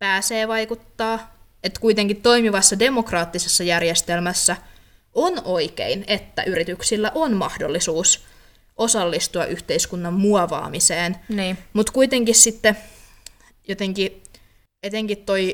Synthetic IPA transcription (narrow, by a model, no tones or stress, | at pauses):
pæːseːʋɑikut̪ːɑː | et̪kuit̪eŋkit̪t̪o̞imiʋɑsːɑde̞mokrɑːt̪ːisesːɑjærjest̪elmæsːæ | ʔonoikḛinet̪ːæ̰ʔyrit̪yksilːæʔonmɑhdo̰lːisuːs | ʔosɑlːist̪uɑ̰ʔyht̪eiskunːɑmmuɑʋɑ̰ːmiseːnniːmut̪kuit̪eŋkissit̪ːe | jot̪eŋki | et̪eŋkit̪toi